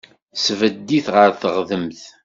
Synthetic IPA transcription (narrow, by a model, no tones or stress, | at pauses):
svəd̪ːiθʁəɾθəʁðəmθ